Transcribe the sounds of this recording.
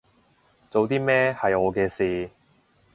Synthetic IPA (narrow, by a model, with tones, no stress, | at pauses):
t͡so˨wt̪iː˥mɛː˥hɐ˨jɔː˨˧kɛː˧siː˨